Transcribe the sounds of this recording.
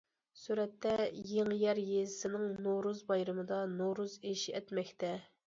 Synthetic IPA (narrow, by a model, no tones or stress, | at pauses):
suɾɛt̪ːɛjeŋjɛɾjezɪsɪnɪŋnoɾuzbɑjɾɨmɨd̪ɑnoɾuzeʃiɛt̪mɛkʲt̪ʰɛ